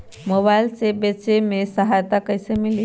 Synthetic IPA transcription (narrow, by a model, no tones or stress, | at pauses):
mobaɪlsebet͡ʃemesəɦajt̪akəjsemili